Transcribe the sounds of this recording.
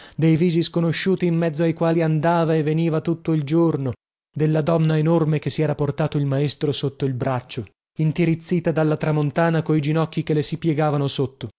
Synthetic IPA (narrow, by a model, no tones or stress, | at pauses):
d̪ejviːziskonoʃːuːt̪iːmːɛd̪zːoajkwaːliand̪aːvaevːeniːvat̪ut̪ːoild͡ʒorno | d̪elːad̪ɔnːaenormek̟esːiɛːɾaport̪aːt̪oilmaest̪ɾosot̪ːoilbɾat͡ʃːo | int̪iɾit̪sːiːt̪ad̪alːat̪ɾamont̪aːnakoid͡ʒinɔkːikelːesipjɛɡaːvanosot̪ːo